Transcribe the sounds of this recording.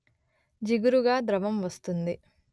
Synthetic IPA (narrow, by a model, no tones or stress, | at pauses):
d͡ʒiɡuɾuɡaːd̪ɾɐʋɐmʋɐst̪und̪i